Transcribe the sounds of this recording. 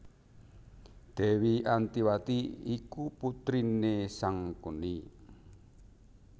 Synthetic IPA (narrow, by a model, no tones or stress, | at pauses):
d̪̥ɛ̤wiant̪iwat̪iikuput̪ɾinesaŋkuni